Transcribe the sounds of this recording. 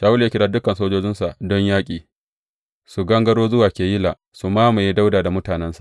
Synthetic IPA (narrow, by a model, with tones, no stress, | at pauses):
ʃaː˨wʊ˦ljaː˦kʲɪ˦daː˦dʊ˦kɐ˨nsoː˦d͡ʒoː˦d͡ʒɪ˦nsa˨ʔdɔ˦ɲjaː˦kʲʼiː˨ | su˨ɡɐ˦ŋɡɐ˦ɽoː˦zʊ˦waː˨kʲeː˨jɪ˦laː˨ | su˨maː˦ma˨ji˦da˦wdaː˨da˨mʊ˦taː˨nɛ˦nsḁ˨ʔ